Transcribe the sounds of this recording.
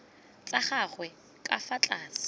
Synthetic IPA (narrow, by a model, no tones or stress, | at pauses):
t͡sʼaχaχwɛ | kʼa̰fat͡ɬʼaːsɪ̥